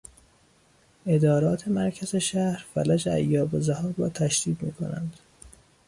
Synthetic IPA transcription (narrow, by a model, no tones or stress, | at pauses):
ʔe̞d̪ɒːɾɒːt̪ʰe̞mæɾcʰæze̞ʃæhɾfælæd͡ʒeæ̰jːɒːbozæhɒːbɒːt̪ʰæʃd̪̥iːd̪miːkʰo̞̰næ̰nd̪̥